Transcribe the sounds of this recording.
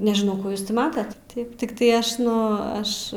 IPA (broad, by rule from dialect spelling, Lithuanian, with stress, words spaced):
nʲɛʒʲɪˈnɐʊ ˈkuː ˈjuːs ˈtʲɪ ˈmɑːtɐt ˈtɐɪp tʲɪkˈtɐɪ ˈɐʃ ˈnʊ ˈɐʃ